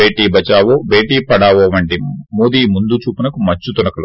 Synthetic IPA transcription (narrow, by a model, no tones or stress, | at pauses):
eːʈiːbɐt͡ʃaːʋoːbeːʈiːpɐɽaːʋoʋɐɳʈimoːd̪iːmund̪ut͡ʃuːpinɐkumɐt͡ʃːut̪unɐkɐlu